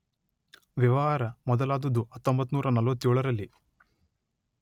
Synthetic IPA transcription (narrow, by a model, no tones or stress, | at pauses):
ʋjɐʋɐɦaːɾɐmɔd̪ɐlaːd̪ɐd̪uɦɐt̪ːombɐt̪ːnuːɾɐnɐlʋɐt̪ːjoːɭɐɾɐlːi